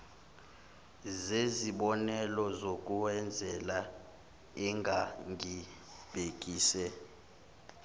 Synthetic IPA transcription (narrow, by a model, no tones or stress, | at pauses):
zeziɓɔnɛlɔzok̬ʼuwɛnd͡zʱɛla | ɛŋɡʱaŋʱi | b̥ʱek̬ʼiːsɛ